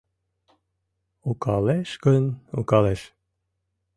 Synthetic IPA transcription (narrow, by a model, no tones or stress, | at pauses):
ukɑleʃkɵnṵkɑleʃ